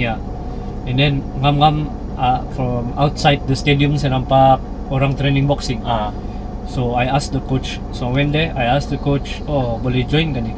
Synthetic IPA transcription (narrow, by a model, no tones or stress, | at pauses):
a | ɛ̃nd̪ɛnŋamŋam | ʔafɹɔmawt̪sajd̪̚d̪əst̪ed̪iʊmsɐnampak̚ | oɾaŋt̪ɾenɪ̃ŋboksɪŋa | soajas̚d̪əkot͡ʃ | sowɛnd̪ɛʔajas̚d̪əkot͡ʃʔobolid͡ʒojnkɐnɛ